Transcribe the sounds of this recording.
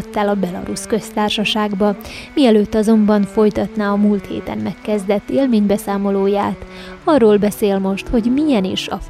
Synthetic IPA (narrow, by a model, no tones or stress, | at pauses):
t̪ːaːlɒbɛlɒ̰ɾuskø̞st̪aːrʃɒʃaːɡbɒmiɛløːt̪ːɒzo̞mbɒɱfo̞jt̪ɒt̪naːɒmult̪hḛːt̪ɛ̰nmɛkːɛzd̪ɛt̪ːeːlmeːɲbɛsaːmo̞loːjaːt̪ | ɒrːoːlbɛseːlmo̞ʃt̪ho̞ɟmijɛnḭʃɒ̰